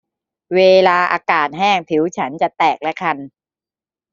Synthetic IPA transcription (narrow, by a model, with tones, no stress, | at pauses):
weː˧laː˧ʔa̰ː˧kaː˨˩t̪̚ɦɛː˥˩ŋt̪ʰi˩˦wt͡ɕʰa˦˥nt͡ɕa˨˩t̪ɛː˨˩k̚lɛ˦˥kʰa˧n